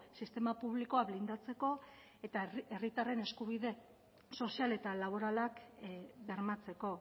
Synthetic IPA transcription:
sist̪e̞mapuβlikoaβlind̪at͡se̞ko̞ | et̪aerit̪are̞ne̞skuβ̞iðe̞ | so̞siale̞t̪alaβ̞o̞ɾalakbe̞ɾmat͡se̞ko̞

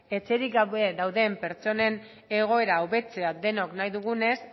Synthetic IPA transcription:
e̞t͡se̞ɾikɡaβeðawðe̞mpe̞ɾt͡so̞ne̞n | e̞ɣ̞o̞e̞ɾawβe̞t͡se̞ad̪e̞noknajðuɣ̞une̞s

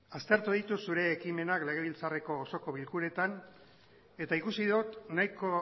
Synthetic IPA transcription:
ast̪e̞ɾt̪uðit̪usuɾe̞ːkime̞nakle̞ɣ̞e̞β̞ilt͡sare̞ko̞ːso̞ko̞βilkuɾe̞t̪an | e̞t̪aikusiðut̪najko

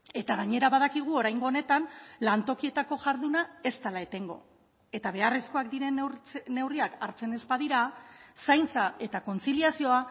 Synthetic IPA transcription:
e̞t̪aɣ̞aɲe̞ɾaβaðakiɣ̞uo̞ɾajŋɡo̞ːne̞t̪anlant̪o̞kie̞t̪ako̞ʝaɾðunae̞st̪alaet̪e̞ŋɡo̞ | e̞t̪aβe̞aresko̞akd̪iɾe̞nnːe̞wriakaɾt͡se̞ne̞spaðiɾasajnt͡sae̞t̪ako̞nt͡siliasio̞a

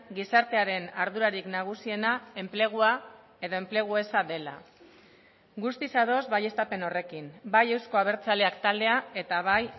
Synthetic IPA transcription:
ɡisaɾt̪e̞aɾe̞naɾðuɾaɾiknaɣ̞usie̞nae̞mple̞ɣ̞ua | e̞ðo̞e̞mple̞ɣ̞ue̞saðe̞la̰ | ɡust̪isaðo̞zβaje̞st̪ape̞no̞re̞kimbaje̞wsko̞aβ̞e̞ɾt͡saleakt̪ald̪e̞ae̞t̪aβaj

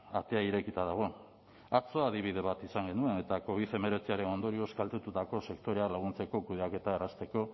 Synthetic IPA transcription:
at̪e̞aiɾe̞kit̪aðaɣ̞o̞ | aɾt͡so̞aðiβ̞ið̞e̞βat̪isaŋɡe̞nue̞ne̞t̪ako̞β̞iθe̞me̞ɾe̞t͡siaɾe̞no̞nd̪o̞ɾio̞skalt̪e̞t̪ut̪ako̞se̞kt̪o̞ɾe̞alaɣunt͡se̞ko̞kuðeake̞t̪aerast̪e̞ko̞

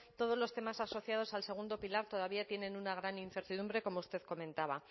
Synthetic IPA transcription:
t̪o̞ð̞o̞zlo̞st̪e̞masaso̞θjað̞o̞salse̞ɣund̪o̞pilaɾt̪o̞ð̞aβ̞iat̪jenẽ̞nunaɣɾaninθe̞ɾt̪iðũmbɾe̞ko̞moust̪e̞ðko̞mẽnt̪aβa

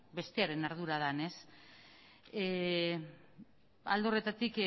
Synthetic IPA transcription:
be̞st̪eaɾe̞naɾðuɾað̞ane̞s | a̰ld̪o̞re̞t̪at̪ik

